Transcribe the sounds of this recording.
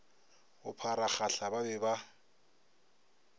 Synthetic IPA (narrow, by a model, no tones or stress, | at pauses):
ʊpʰaɾaχaɬababɛba